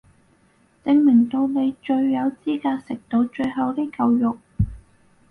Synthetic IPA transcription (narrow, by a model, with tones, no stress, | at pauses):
t͡sɪ˧ŋmɪ˨˩ŋt̪o˧wne˨˧jt͡ʃɵ˧ɥːɐ˨˧wt͡siː˥kaː˧sɪ˨k̚t̪o˧wt͡ʃɵ˧ɥɦɐ˨˧wt̪i˥kɐ˧wjʊ˨k̚